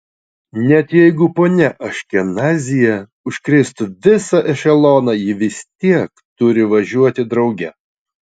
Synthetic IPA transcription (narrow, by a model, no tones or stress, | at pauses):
nʲɛt̪jɛɪɡʊpoːnʲɛʔɐʃkʲɛnɑːzʲɪjɛ | ʊʃʲkɾʲɪst̪ʊʋʲɪsɑʔɛʃʲɛlˠoːnɑjɪʋʲɪst̪ʲiɛkt̪ʊɾʲɪʋɐʒʲuɔt̪ʲɪd̪ɾɒʊɡʲɛ